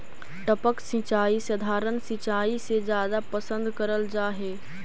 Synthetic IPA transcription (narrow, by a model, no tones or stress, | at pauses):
ʈəpəksĩt͡ʃaːisəd̪ʱaːɾənsĩt͡ʃaːised͡ʒjaːd̪apəsə̃nd̪kəɾəld͡ʒaːɦeː